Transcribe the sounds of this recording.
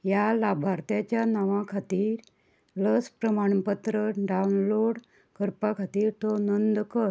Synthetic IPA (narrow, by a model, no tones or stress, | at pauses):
jalabʱaɾt̪jat͡ɕjanaʋãkʰat̪iːɾ | ləspɾəmaɳ̃pət̪ɾəɖaunloɽ | kəɾpakʰat̪iːɾt̪ɔnənd̪kəɾ